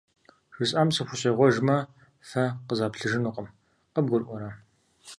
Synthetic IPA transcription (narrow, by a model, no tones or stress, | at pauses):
ʐ̥ɨsʼaːmsɨxʷʊɕejʁʷɔʒmɐ | fɐqəzaːpɬɨʒɨnuqəm | qɐb̚ɡʷʊrʔʷɔɾa